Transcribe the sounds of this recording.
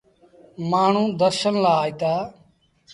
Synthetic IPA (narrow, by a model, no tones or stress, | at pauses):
maːɳ̤ũːd̪əɾʃənlaːit̪aː